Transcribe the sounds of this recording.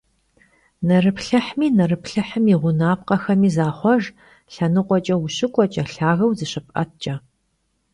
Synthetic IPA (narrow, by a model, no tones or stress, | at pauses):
nɐrɨpɬɐħmiːnɐrɨpɬɐħəmiʁʷʊnaːp̚qɐxɐmiːzaːχʷɔʒ | ɬɐnɨqʷʼɔt͡ʃʼɐwʊɕɪkʷʼɔt͡ʃʼɐɬaːɣɐwzɨɕɪpʼɐ̰t̚ʰt͡ʃʼɐ